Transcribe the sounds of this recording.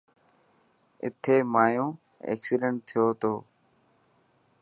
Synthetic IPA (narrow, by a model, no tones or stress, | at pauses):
ɪ̰t̪ʰeːmaːjõː | ḛːksɪɖə̃ɳʈ̚t̪ʰɪjoːt̪oː